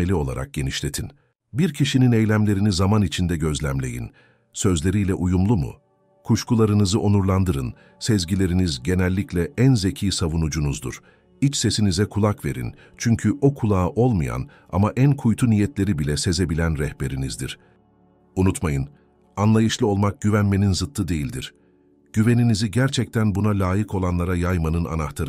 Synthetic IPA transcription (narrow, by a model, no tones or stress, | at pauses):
elʲio̞lˠa̰ɾʔa̰k̚ɟ̥e̞niʃlʲe̞t̪ʰin | biɾcʰiʃinine̞jlʲæmlʲe̞ɾinizamanit͡ʃʰind̪ɛɟø̞zlʲæmlʲe̞̰jḭn | sø̞zlʲe̞ɾijlʲɛʔujumlˠumṵ | kʰuʃkulˠaɾɯnɯzɯʔo̞nuɾlˠand̪ɯɾɯn | sɛzɟilʲe̞ɾinizɟe̞nælʲːiclʲɛʔænze̞cʰiːsavunud͡ʒunuzd̪ṵɾ̥ | it͡ʃse̞sinizɛkʰulˠakve̞̰ɾḭn | t͡ʃʰyɲcʰyʔo̞kʰulˠaːʔo̞lˠmɯja̰n | a̰maʔænkʰujt̪ʰunijɛt̪ʰlʲe̞ɾibilʲɛse̞ze̞bilʲænɾɛhbe̞ɾinizd̪ḭɾ̥ | unut̪majɯn | anlˠajɯʃlˠɯo̞lˠmak̚ɟ̥yvænme̞ninzɯt̪ʰːɯd̪e̞jilʲd̪ḭɾ̥ | ɟ̥yve̞niniziɟæɾt͡ʃʰɛc̚t̪ʰænbunalʲaːjikʰo̞lˠanlˠaɾajajmanɯna̰naht̪ʰaɾɯ